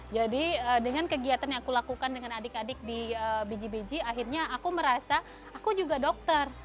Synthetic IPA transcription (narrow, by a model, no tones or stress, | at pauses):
d͡ʒadiəːdəŋankəɡiat̪anjãŋakulakukandəŋanadɪkadɪk̚diəbid͡ʒibid͡ʒiaɦirɲaakuməɾasaː | kud͡ʒuɡadɔk̚t̪ər